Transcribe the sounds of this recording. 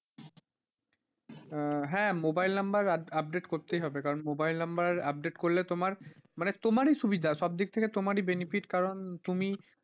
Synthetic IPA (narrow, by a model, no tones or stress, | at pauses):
ɦɛ̃mobajlnambaɾap̚ɖeʈkoɾt̪ejɦɔbekaɾonmobajlnambaɾap̚ɖeʈkollet̪omaɾmanet̪omaɾiʃubid̪ʱaʃɔb̚d̪ik̚t̪ʰeket̪omaɾibenifiʈkaɾont̪umi